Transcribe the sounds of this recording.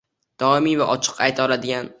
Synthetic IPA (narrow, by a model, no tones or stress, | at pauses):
d̪̥ɒɪmivaʔɒt͡ʃʰɨ̥qʰajt̪ʰɒlad̪ɪɡʲan